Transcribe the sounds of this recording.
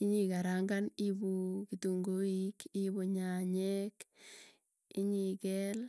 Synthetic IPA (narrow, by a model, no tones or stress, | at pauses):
ɪɲikaɾaŋɡanibukituŋɡoikibuɲaɲɛk | ɪɲikɛl